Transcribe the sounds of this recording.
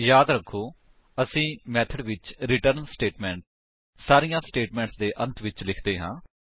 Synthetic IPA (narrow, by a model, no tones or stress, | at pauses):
jaːd̪ɾəkʰːoː | əsĩːmɛːt̪ʰəɖʋɪt͡ʃɾɪʈəɾnsʈeːʈmɛ̃ːɳʈ | saːɾijãːsʈeːʈmɛ̃ːɳʈsd̪eːʔə̃nt̪ʰʋɪt͡ʃlɪkʰd̪eːɦãː